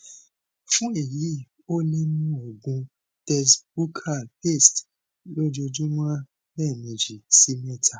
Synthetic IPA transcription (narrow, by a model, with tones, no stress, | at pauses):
fũ˦e˦˨ji˨˦ | o˦nẽ˦nũ˦o˨ɡũ˨˧ | tɛ˦˧sbu˦kʰa˦˨pe˦˨st | lo˦d͡ʒo˧d͡ʒũ˦mã˦ | bɛ˦˨mĩ˨d͡ʒi˨si˦mɛ˦˨tʰa˦˨